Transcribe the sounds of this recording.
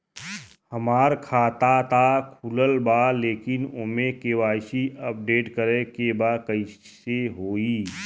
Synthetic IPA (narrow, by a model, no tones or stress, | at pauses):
həmaːɾkʰaːt̪at̪akʰuləlbaleːkɪnomẽkeːwaːʃiəp̚ɖeːʈkəɾekebaːkəɪ | seɦoːiː